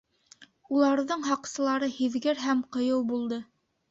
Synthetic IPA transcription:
ulˠɑɾðɤɴɦɑqsɤ̆lˠɑɾɤhiðɡɘɾɦæmqɤ̆jɤwbulˠd̪ɤ

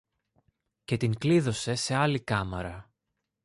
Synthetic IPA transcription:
ce̞t̪iŋkliðo̞se̞se̞ɐlikɐmɐɾɐ

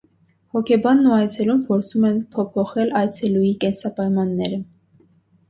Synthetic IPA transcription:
hɔkʰɛbɑnːuɑjt͡sʰɛlumpʰɔɾt͡sʰumɛnpʰɔpʰɔχɛlɑjt͡sʰɛlujikɛnsɑpɑjmɑnːɛɾə

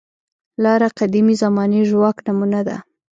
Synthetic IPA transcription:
lɑɾaqad̪imizamɑneʒwɑknamunad̪a̰

